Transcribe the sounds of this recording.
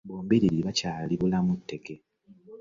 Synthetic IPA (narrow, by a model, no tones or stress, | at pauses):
boːmbiɾiɾiiβacaːliβulamutːe̞ke̞